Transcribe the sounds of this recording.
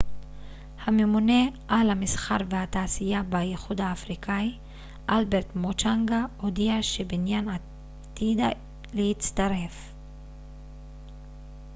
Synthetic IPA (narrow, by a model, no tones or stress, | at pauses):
hamemune̞ʔalhamisχaʁvehat̪aːsijabajeχud̪aːfʁikʰai | ʔalbeʁt̪mot͡ʃaŋɡaod̪iaʃebinjana | t̪id̪a | lehit͡st̪aʁe̞f